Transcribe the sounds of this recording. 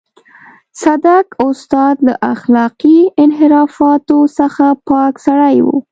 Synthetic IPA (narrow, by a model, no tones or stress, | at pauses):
sad̪akʊst̪ɑd̪la̰ʔaxlɑqiɪnɦɪɾɑfɑt̪osəxapɑksaɽajwṵ